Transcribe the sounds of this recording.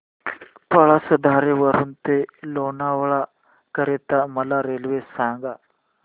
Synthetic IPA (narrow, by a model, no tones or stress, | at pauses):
pəɭasəd̪ʱaɾeʋəɾuːnt̪elonaʋɭa | kəɾet̪aməlaɾelʋesãŋɡa